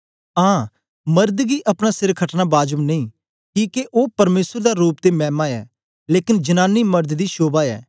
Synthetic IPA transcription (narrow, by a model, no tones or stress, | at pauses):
ãː | mɐɾd̪ɡiʔɐpñaːsɪɾkʰəʈnaːbaːd͡ʒəmneĩː | kiːkeʔoːpɐɾmeːsəɾd̪aːɾuːpt̪emɛːmaɛː | leːkɪnd͡ʒənãːnːiːmɐɾd̪d̪iːʃoːbaːɛː